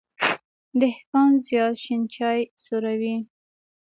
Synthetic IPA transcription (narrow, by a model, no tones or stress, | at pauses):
d̪əhkɑnzjɑt̪ʃint͡ʃɑjsoɾawi